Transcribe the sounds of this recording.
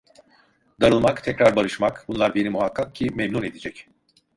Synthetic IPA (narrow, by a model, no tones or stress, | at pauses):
d̪aɾɯlˠmakt̪ʰɛcɾaɾbaɾɯʃmakbunlˠaɾbe̞nimuɦakʰːak̚cʰimemnune̞d̪id͡ʒɛc